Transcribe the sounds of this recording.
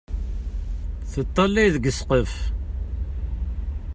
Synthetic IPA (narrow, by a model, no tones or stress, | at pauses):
θət̪ˤːɑlːæjðəɡəsqəf